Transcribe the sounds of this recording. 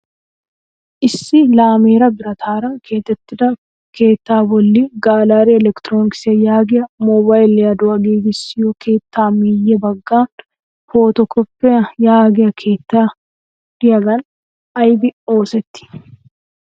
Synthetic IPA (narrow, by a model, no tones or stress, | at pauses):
ʔɪsːɪlaːmeːɾɐbɪɾɐt̪ʰaːɾɐkʰe̞ːt̪ːɛt̪ːɪdɐ | keːt̪ːaːbɔlːiɡaːlaːɾɛɛlɛkt̪ɾoːnɪksɪɐjaːɡɪjɐmɔːbaːjlɐd̪ʊɐɡiːɡɪsːɪjokʰe̞ːt̪ːaːmiːjɛbɐɡːaːn | foːt̪ɔkːɔpːɛɐjaːɡɪjɐkʰeːt̪ːaː | d̪̥ɪjɐɡɐn | ɐjbɪo̞ːsɛt̪ːɪ̥